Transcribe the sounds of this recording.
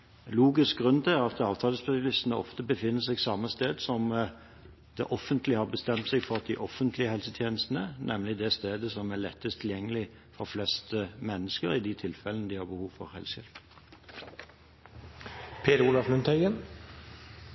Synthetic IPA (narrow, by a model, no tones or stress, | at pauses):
luːɡɪsk̚ɡʁʉnːt̪ʰɪlʁɑt̪ɑːʋt̪ʰɑːləspɛsɑlɪst̪ənəɔ̰ft̪əbəfɪnːəsɛɡsɑmːəst̪eːd̪sɔm | d̪̥ɛ̰ʔɔfənt̪lɪhɑɾbəst̪ɛmt̪sɛɡfɔʁɑt̪̚d̪ɪʔɔfənt̪ʰlɪəhɛlsət̪ʰjeːnəst̪ən̩ənʔɛmlɪd̪ɛst̪eːd̪əsɔmælɛt̪ːəst̪ʰɪljɛŋːəlɪ | fɔɾflɛst̪əmɛnːəskəɾɪd̪ɪt̪ʰɪlfɛlənəd̪ɪhɑɾbəhuːʋfɔ̰ɾhɛ̰lsɪ̰lp | pʰeːɾəuːlɑflʉnt̪ʰæʏɡən